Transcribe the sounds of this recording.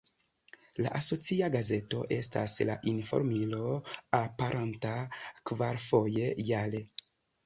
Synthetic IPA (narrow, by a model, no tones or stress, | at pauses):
la̰ʔaso̞t͡siaɡaze̞to̞̰ʔe̞sta̰sla̰ʔinfo̞̰ɾmilo̞apaɾʔantakvaɾfo̞je̞jale